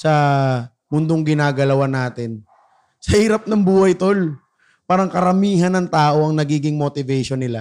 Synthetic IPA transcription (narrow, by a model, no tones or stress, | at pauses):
sɐ | mʊnd̪oŋɡɪnaːɡɐlɐwanaːt̪ɪn | sɐhiːɾɐp̚nɐŋbuːhɐjt̪ol | paːɾɐŋkɐɾɐmiːɦɐnɐŋt̪aːʔo̞ɐŋnɐɡiːɡɪŋmot̪ɪvɛʃonːɪla